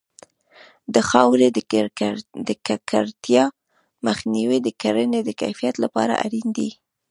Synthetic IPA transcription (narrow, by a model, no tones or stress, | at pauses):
d̪əxɑwɾe | d̪əkakʰaɾt̪jɑ | məxniwid̪əkaɾəned̪əka̰jfijat̪lapɑ̰ɾa̰ʔa̰ɾind̪i